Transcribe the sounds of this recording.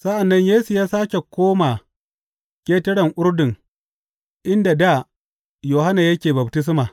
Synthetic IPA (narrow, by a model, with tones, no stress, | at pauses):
sɐ˦ʔa˨nːɐ˦ɲjeː˦su˨jaː˦saː˦kʲe˨kʷoː˦maː˨ | kʲeː˦tɐ˦ɽɐ˨ŋʔʊ˦rdɪ˨ŋ | ʔɪ˦nda˨da˦˨ | joː˨ha˦naː˨jɐ˦kʲeː˨bɐ˨btɪ˦s̬maː˨